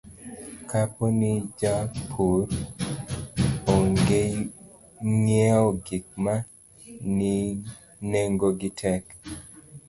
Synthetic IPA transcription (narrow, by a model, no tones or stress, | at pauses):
kʰaponid͡ʒapʰuɾ | oŋɡe | ŋjɛɔɡik̚ma | ni | neŋɡoɡɪtʰɛk